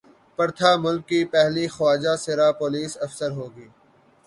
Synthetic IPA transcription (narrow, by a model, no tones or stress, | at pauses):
pɐɾt̪ʰaːmʊlkːipɛɦlixwaːd͡ʒaːsɪɾaːpoːliːsɐfsəɾɦoːɡiː